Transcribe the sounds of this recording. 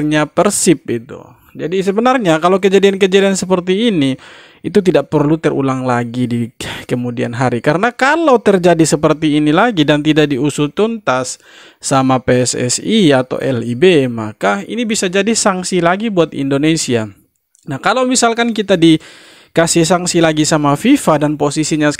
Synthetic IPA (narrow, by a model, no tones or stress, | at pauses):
ɲapərsɪp̚it̪ṵ | d͡ʒadisəbənarɲakalawk̬əd͡ʒadiank̬əd͡ʒadiansəpərt̪iːni | it̪ut̪̬idaʔpərlut̪ərṵlaŋlaɡidikəmudia̰nɦaɾikaɾənakalawt̪ərd͡ʒadisəpərt̪iːnilaɡidant̪idak̚diusut̪unt̪asː | amapeɛsɛ̰siat̪a̰wʔɛ̰libema̰kaḭnibisad͡ʒadisaŋsilaɡibuat̪ḭndonesia̰ | nahkalawmisalkankit̪adi | kasɪhsaŋsilaɡisamafifadanposisiɲa